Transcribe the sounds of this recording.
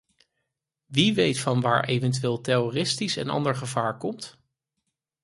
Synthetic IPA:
ʋiʋejtfɑnʋa̰ːɹʔejvɛnt̬yʋɪːlˠtɛrorɪstisɛ̰nɑ̰ndəɹχəvaːɹkɔmt

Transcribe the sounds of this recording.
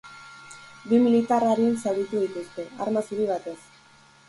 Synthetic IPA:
bimilit̪araɾinsaɣit̪uðit̪ust̪e̞a̰ɾmasuɾiβ̞at̪e̞s

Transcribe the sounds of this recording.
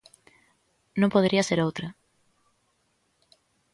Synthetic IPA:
nõmpoðeɾiɐseɾowt̪ɾɐ

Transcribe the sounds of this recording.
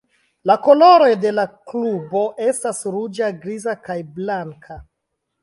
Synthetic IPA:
lako̞lo̞ɾo̞jde̞laklubo̞ʔe̞stasɾud͡ʒaɡɾizakajblaŋkʰa

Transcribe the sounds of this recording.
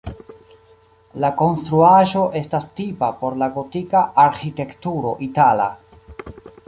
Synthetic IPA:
lako̞nstɾuaʒo̞ʔe̞stastipapo̞ɾlaɡo̞tikaaɾxite̞ktuɾo̞ʔitala̰

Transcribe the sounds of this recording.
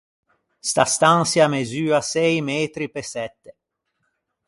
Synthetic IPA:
st̪ast̪ansjamezyːasɛjmɛːt̪ɾipesɛt̪ːe

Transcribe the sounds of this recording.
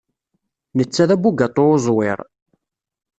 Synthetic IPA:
nət͡sːæðæbuɡat̪ˤːoʊzˤwɪɾˤ

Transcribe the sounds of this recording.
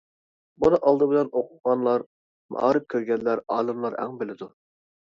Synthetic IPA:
bunɨʔɑlˠd̪ɨbɪlɛnoqʰʊ̥ʁɑnlˠɑɾ | mɑ̰ɑ̰ɾɨp̚kʲʰøɾɡʲɛnlːæɾɑːlˠɨmlˠɑɾæ̰ŋbɪlɪd̪u

